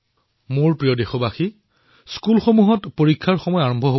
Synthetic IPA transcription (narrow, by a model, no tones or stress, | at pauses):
mʊɹpɹijɔdexɔbaxi | skulxomuɦɔtpoɹikʰːaɹxɔmɔjaɹɔmbʱɔɦo